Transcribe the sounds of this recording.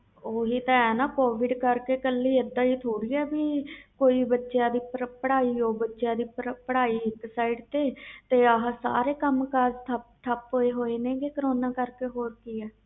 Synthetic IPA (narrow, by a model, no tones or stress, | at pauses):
oːɦiːt̪ãːɛːnaːkoːʋɪɖkəɾkeːkəlːiːed̪ːãːiːt̪ʰoːɾiːɛːbiːkoːiːbətːʃjãːd̪iːpəɽaːiːoːbətːʃjãːd̪iːpəɽaːiːɪksaːiɖt̪eːt̪eːəɦsa̰ːɾeːkəmkaːd͡ʒt̪ʰət̪ʰəpɦoːeːɦoːeːnẽːɡeːkəɾoːnaːkəɾkeːɦoːɾkiːɛː